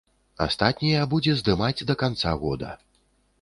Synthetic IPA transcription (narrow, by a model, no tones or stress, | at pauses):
a̰st̪at̪̚ʲnʲijɐbud͡zʲɛzd̪ɨmad͡zʲd̪ɐkant̪saɣɔd̪ɐ̰